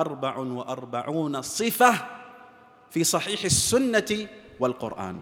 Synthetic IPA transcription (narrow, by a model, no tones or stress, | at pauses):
ʔɑɾˤbaʕwɪʔɑɾˤbaʕuːnasˤɨfa | fiːsˤɑħiːħasːʊnːa | walqʊ̰ɾʔa̰ːn